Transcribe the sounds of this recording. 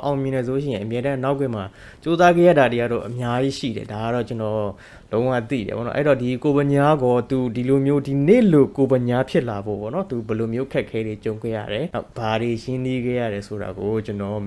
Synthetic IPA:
ʔã˨ʊ̃mjɪ̃˨nɛ˨s̬o˨o˦ʃ̬ɪ̰̃˦˨ɪ̃˨ʔə˨mjɛ˦ɾã˦na˦ʊk̬ːwɪ̃˦˨ma˨ | t͡ɕo˦za˦ɡɛ˦˨ja̰˦˨da˨te˨a˨do̰˦˨ʔəmja˦ji˦ʃḭ˦˨ɾɛ̰˨da˨ɡa˦˨ɾɔ˦˨t͡ɕə˦nɔ˨ | lõ˦ʊ̃wa̰˦˨t̪ḭ˦˨ɾɛ̰˨bɔ̰˦˨nɔ˦ʔɛ˦i˨ɔ˨di˨ko˨bə̃˨ɲa˦ɡɔ˦t̪u˨di˨lo˨mjo˦di˨nḛ˦˨lo˦˨ko˨bə˨ɲa˦pʰjɪ˦ʔla˨bo̰˦˨pɔ̰˦˨nɔ˦t̪u˨bɛ˨lo˨mjo˦ʔə˦kʰɛ˦˨kʰːɛ˦ɾe˨t͡ɕõ˨ʊ̃ŋkɛ̰˦˨ja̰˦˨ɾɛ˨na˦ʊb̥a˨ɾe˨jɪ̃˦ni˦ɡɛ̰˦˨ja̰˦˨ɾɛ˨sʰo˨ɾa̰˨ɡo˨t͡ɕə˦nɔ˨

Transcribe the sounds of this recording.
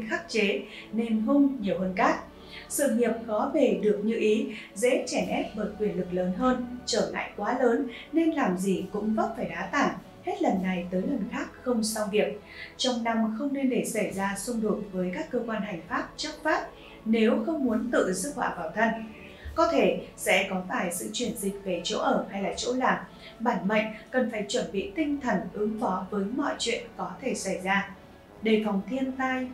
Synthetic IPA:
xaː˦˥k̚t͡ɕe˨˦ne˧nɦʊ˧ŋ͡mɲi˨˩əwhəː˧nkaː˦˥k̚ | sɨ̰˧˨ŋi˨˩əp̚xɔ˨˦ve˨˩ɗɨ˨˩ək̚ɲɨ̰˧˥ʔi˨˦zḛ˧˥t͡ɕɛ˧˩nʔɛ˦˥p̚ɓəː˧˩jkwi˨˩ənlɨ˨˩k̚ləː˨˦nɦəː˧nt͡ɕəː˧˩la̰ː˧˨jkwaː˨˦ləː˨˦nːe˧nlaː˨˩mzi˨˩kʊ̰˧˥ŋ͡mvə˦˥t̚faː˧˩jɗaː˨˦t̪aː˧˩n | he˦˥t̚lə˨˩nːa˨˩jt̪əː˨˦jlə˨˩nxaː˦˥k̚xə˧wŋ͡msa˧wvi˨˩əp̚ | t͡ɕɔ˧wŋ͡mna˧mxə˧wŋ͡mne˧nɗe˧˩sa˧˩jzaː˧sʊ˧ŋ͡mɗo˨˩t̚vəː˨˦jkaː˦˥kːəː˧kwaː˧nɦa˨˩jŋ̟faː˦˥p̚t͡ɕə˦˥k̚faː˦˥p̚ | ne˨˦wxə˧wŋ͡mmu˨˦ənt̪ɨ̰˧˨zɨ˦˥k̚wa̰ː˧˩vaː˨˩wt̪ʰə˧n | kɔ˨˦t̪ʰe˧˩sɛ̰˧˥kɔ˨˦faː˧˩jsɨ̰˧˨t͡ɕwi˧˩ənzï˨˩k̟̚ve˨˩t͡ɕo̰˧˥ʔəː˧˩ha˧jlaː˨˩t͡ɕo̰˧˥laː˨˩m | ɓaː˧˩nma̰˧˨jŋ̟kə˨˩nfaː˧˩jt͡ɕwə˧˩nɓḭ˧˨t̪ï˧ŋ̟t̪ʰə˨˩nʔɨ˨˦ŋfɔ˨˦vəː˨˦jmɔ̰˧˨jt͡ɕwḭ˧˨ənkɔ˨˦t̪ʰe˧˩sa˧˩jzaː˧ | ɗe˧˩fɔ˨˩wŋ͡mt̪ʰi˧ənt̪aː˧j

